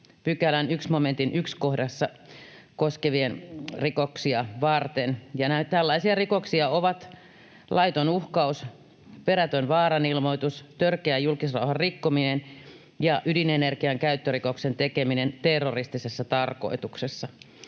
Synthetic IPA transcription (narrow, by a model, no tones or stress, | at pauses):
pykælænyksmoment̪inykskohdɑsːɑ | koskeʋienrikoksiɑʋɑrt̪enjɑnæt̪ælːɑisiɑrikoksiɑoʋɑt̪ | lʔɑit̪onuhkɑus | peɾæt̪ønʋɑːrɑnilmoit̪ust̪ørkeæjjulkisrɑ̰uhɑrrikːominen | jɑʔydinenerkiɑŋkæyt̪ːørikoksent̪ekeminent̪erːorist̪isesːɑt̪ɑrko̰it̪uksesːɑ